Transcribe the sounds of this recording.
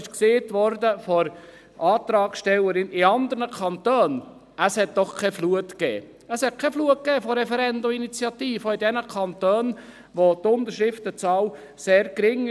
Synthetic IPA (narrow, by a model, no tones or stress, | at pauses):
ɪʃkseːtʋɔɾdəfɔɾ | ɑːt̪ɾɑːkʃtɛləɾɪnɪɑnd̪əɾnəkʰɑnt̪øːn | əshɛt̚d̥ɔχkʰɛfluətkɛː | əshɛt̚kʰɛfluət̚kɛːfɔɾɛfɛɾɛnd̪ominit͡sjɑt̪iːfəidɛnəkʰɑnt̪øːn | ʋot̪ʊnt̪əɾʃɪft̪ət͡sɑːl | seːɾkɾɪŋ